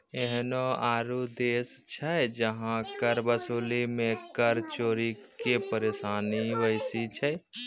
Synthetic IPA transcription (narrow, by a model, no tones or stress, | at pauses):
eɦnoaːɾud̪eːs | t͡ʃʰɛd͡ʒəɦãkəɾbəsuːlimẽkəɾt͡ʃoːɾi | kepəɾesaːniʋəɪsit͡ʃʰɛ